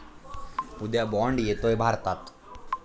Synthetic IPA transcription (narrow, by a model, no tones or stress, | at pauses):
ud̪jabɔɳɖijet̪oebʱaɾt̪at̪